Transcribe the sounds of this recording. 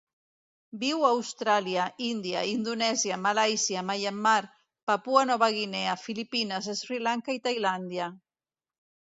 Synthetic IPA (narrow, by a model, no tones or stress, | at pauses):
biwawst̪ɾaljaʔind̪ja̰ind̪unɛzjamalajsjamajamːaɾ | papuanɔβaɣineafilipinazesfɾilaŋkait̪ajland̪ja